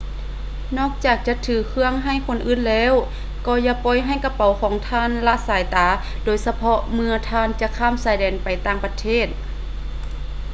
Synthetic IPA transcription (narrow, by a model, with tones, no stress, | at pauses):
nɔː˧˥˩k̚t͡ɕaː˨˩k̚t͡ɕa˧˥t̪ʰːɯː˨˩kʰɯ˧əŋɦa˧˩˨jkʰo˧˥˨nʔɯː˧˥˨nlɛː˧˥˨w | kɔː˧˩ja˧pɔː˧˨jɦa˧˩˨jka˧˥pa˨˧˦wkʰɔː˨˦ŋt̪ʰaː˧˥˨nla˧˥ʔsaː˨˦jt̪aː˨˦ | doː˨jsa˧pʰɔ˧mɯ˧ɐt̪ʰaː˧˥nt͡ɕa˧kʰaː˧˥˨msaː˨˩˦jdɛː˨˩npa˨˩jt̪aː˧˩ŋpa˧t̪ʰeː˧˥˩t̪̚